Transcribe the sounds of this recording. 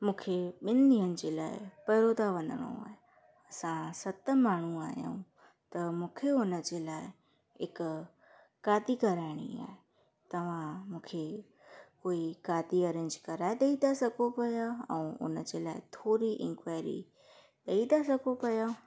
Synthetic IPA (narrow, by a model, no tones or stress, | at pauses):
mũːkʰeɓɪnniɦənɪ̆d͡ʑeːla̰ːɪ̰pɐɾoːd̪ʱaʋɐ̃nd̪əɽ̃o̰a̰ːɦe | ɐsãsɐt̪ə̆maːɳ̤ũaːɦjã̰ũ | t̪ɐmũːkʰeʊnəd͡ʑeːlaːɪ | ɪk | kaːd̪ikɐɾaːɪɽ̃ḭa̰ːɦe | t̪ɐʋ̤ãmũːkʰe | koːikaːd̪iɐɾẽːɲd͡ʒkɐɾaːed̪eid̪asɐɡopɐjaɛ̰̃ːʊ̰nəd͡ʑeːlaːɪ̰t̪ʰoːɾiʔɪ̰̃ŋkʋaːɪɾḭ | ɗ̪eid̪asɐɡopɐja